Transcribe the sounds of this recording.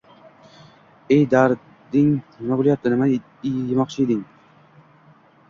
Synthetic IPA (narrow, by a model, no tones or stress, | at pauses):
ejd̪aɾ | d̪ɪŋnɪmabolˠjap̚t̪ɪnɪma | jemɒqt͡ʃʰɪed̪ɪŋ